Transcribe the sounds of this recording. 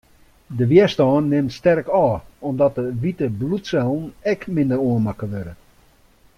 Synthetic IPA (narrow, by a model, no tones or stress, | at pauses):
dəʋiəstɔːnːɪmtstɛrkɔːɔmdɔt̚dəʋitəblutsɛlˠn̩ɛkmɪndəɾoənmakəʋødə